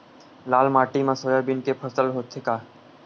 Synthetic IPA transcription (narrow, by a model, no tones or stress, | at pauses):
laːlmaːʈimãsojabɪnkepʰəsəlɦoːt̪ʰekaː